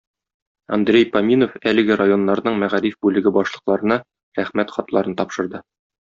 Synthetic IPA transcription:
ɒ̰nd̪ɾʲejpɐmʲinofælɘ̆ɡɘɾajo̞nːɑɾnɤɴmæʁæɾifbʉlɘ̆ɡɘbɒʃlˠɤ̆qlˠɑɾɤ̆nɑ | ɾæχmæt̪χɒt̪lˠɑɾɤnt̪ɒpʃɤ̆ɾd̪ɤ

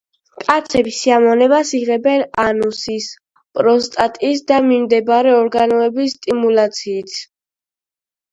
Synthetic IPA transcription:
kʼat̪sʰɛbisiamɔnɛbasiʁɛbɛnanusis | pʼɾɔst̪ʼat̪ʼisd̪amimd̪ɛbaɾɛɔɾɡanɔɛbisːt̪ʼimulat̪sʰiːt̪ʰ

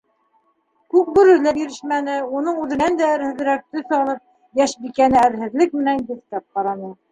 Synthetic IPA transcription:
kʉk̚bɵ̆ɾɵ̆læbiɾɘ̆ʃmænɘunɤɴʉðɘ̆nænd̪æɘ̆ɾhɘ̆ðɾæk̚t̪ɵsɑlˠɤp̚ | jæʃbikænɘæɾɦɘ̆ðlɘk̚mɘ̆nænɡɘ̆θk̪æp̚qɑɾɑnɤ

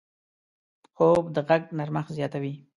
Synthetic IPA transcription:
xobd̪əɣaɡnaɾmaxzjɑt̪awi

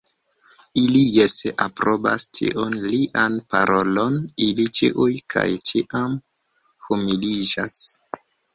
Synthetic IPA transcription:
ilijeseʔapɾo̞ba̰stḭʔonliʔanpa̰ɾʔo̞lo̞nilit͡ʃiʔujkʰa̰jt͡ʃiʔam | humilid͡ʒas

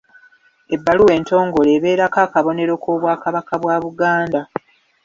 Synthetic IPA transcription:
e̞bːaluwe̞ːnto̞ːŋɡo̞le̞ːβe̞ːɾakaːkaβo̞ne̞ɾo̞koːβwaːkaβakaβwaːβuɡaːnda

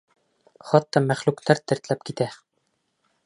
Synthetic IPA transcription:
χɒt̪ːɑmæχlʉkt̪æɾt̪ɘ̆ɾt̪læp̚kit̪æ

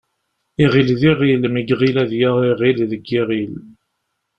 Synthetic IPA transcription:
iʁilðiʁilmiɡʁilæðjaʁiʁilðəɡːiʁil

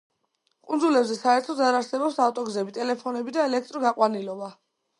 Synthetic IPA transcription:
qʼund̪zulɛbzɛsaɛɾt̪ʰɔzaɾaɾsɛbɔpsaft̪ʼɔɡzɛbit̪ʼɛlɛpʰɔnɛbid̪aɛlɛk̚ʰt̪ʼɾɔɡaqʼwanilɔba

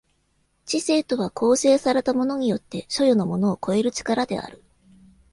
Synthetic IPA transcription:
t͡ɕise̞ːt̪o̞βakʰo̞ːse̞ːsaɾe̞t̪amo̞no̞ɲ̟ijo̞t̪ːe̞ɕo̞jono̞mo̞no̞ːko̞e̞ɾɯ̟t͡ɕi̥kaɾad̪e̞̰a̰ɾɯ̟

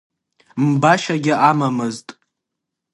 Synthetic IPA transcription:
mbaʃaɡʲɪʔamamɨztʼ

